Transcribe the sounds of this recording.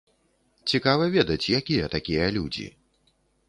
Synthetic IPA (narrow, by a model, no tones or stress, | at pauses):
t͡sʲikavɐvʲɛd̪ɐt͡sʲjakʲijɐt̪akʲijɐlʲud͡zʲḭ